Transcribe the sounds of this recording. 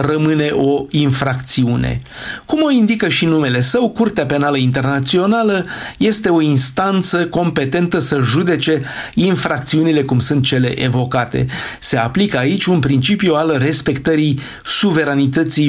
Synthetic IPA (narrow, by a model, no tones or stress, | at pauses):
rəmɨne̞ʔo̞infɾakt̪siunḛ | kumo̞ind̪ikəʃinume̞le̞səwkurt̪eape̞naləint̪e̞rnat̪sio̞naləje̞st̪e̞o̞inst̪ant̪səko̞mpe̞t̪e̞nt̪əsəʒud̪e̞t͡ʃe̞ | infɾak̚t̪siunile̞kumsunt̪̚t͡ʃe̞le̞̰ʔevo̞kat̪e̞̰se̞aplikəait͡ʃʲunpɾint͡ʃipjualre̞spe̞kt̪əɾij | suve̞ɾanit̪ət̪si